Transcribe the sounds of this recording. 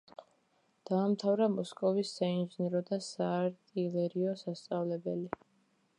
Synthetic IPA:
d̪̥aːmt̪ʰavɾamɔskʼɔvisːainʒinɛɾɔd̪asaːɾt̪ʼilɛɾiɔsast̪sʼavlɛbɛli

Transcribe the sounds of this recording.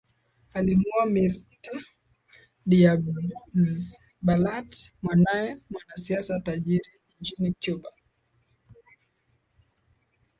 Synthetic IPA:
alimuamiɾta | ɗiab | balatmwanajɛmwanasiasataʄiɾiʄit͡ʃinikjuba

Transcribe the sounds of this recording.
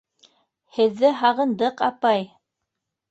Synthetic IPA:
hɘ̆ðːɘɦɑʁɤ̆nd̪ɤqɑpɑj

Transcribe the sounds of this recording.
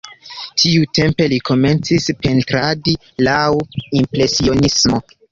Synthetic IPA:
tʰiute̞mpe̞likʰo̞me̞nt͡sispe̞ntɾadi | lawimpɾe̞sio̞nismo̞

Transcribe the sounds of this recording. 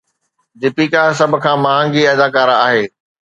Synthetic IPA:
dɪpikasɐbʱʊ̆kʰãːmaːɦãŋɡiɛːd̪aːkaːɾaːɦeː

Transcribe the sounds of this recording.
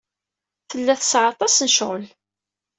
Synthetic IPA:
θəlːæθəsʕɑt̪ˤɑsnəʃʁəl

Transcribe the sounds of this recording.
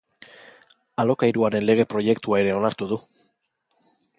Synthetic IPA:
alo̞kaiɾuaɾe̞nle̞ɣ̞e̞pɾo̞je̞kt̪uae̞ɾe̞o̞naɾt̪uðu

